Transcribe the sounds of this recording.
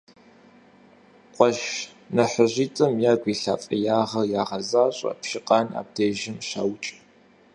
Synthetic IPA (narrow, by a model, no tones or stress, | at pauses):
qʷʼɔʃ | nɐħəʑiːtʼɨmjaːɡʷiːɬa̰ːfʼɐjaːʁɐjaːʁɐzaːɕʼɐ̰pʃɪqɑːna̰ːb̚dʰeːʒɪmɕa̰wt͡ʃʼ